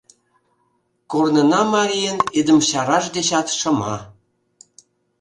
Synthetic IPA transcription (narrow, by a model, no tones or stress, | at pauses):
kornənɑmɑɾʲijənid̪əmɕɑɾɑʃd̪eɕɑt̪ʃə̆mɑ